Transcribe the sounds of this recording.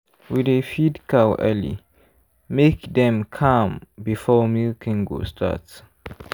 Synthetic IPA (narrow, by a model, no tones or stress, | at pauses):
widefidkʰawɛ̰lḭ | mekdɛ̃mkʰãmbifɔmilkʰĩŋɡo̰stʰa̰ts